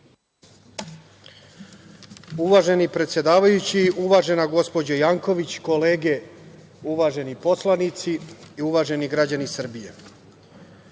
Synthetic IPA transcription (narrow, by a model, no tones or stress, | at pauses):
uʋaːʒe̞nipɾe̞t̪sje̞d̪aːʋajut͡ɕiʔuʋaːʒe̞naɡo̞spo̞d͡ʑajaːŋko̞ʋit͡ɕko̞le̞ːɡe̞ | uʋaːʒe̞nipo̞slˠanit̪siːuʋaːʒe̞niɡɾad͡ʑanisr̩bije̞̰